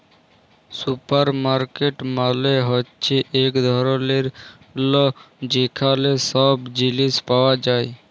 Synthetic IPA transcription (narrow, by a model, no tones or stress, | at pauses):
supəɾmaɾkeʈmaleɦɔtːt͡ʃʰeʔekd̪ʱɔɾɔleɾ | lɔd͡ʒekʰalesɔbd͡ʒilispawad͡ʒaːe